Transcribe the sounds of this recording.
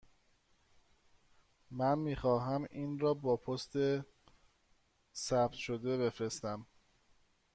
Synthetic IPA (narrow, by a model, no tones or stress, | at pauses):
mænmiːxɒːɦæmiːnɾɒːbɒːpʰost̪ʰe | sæbt̪ʃo̞d̪e̞βe̞fɾe̞st̪æm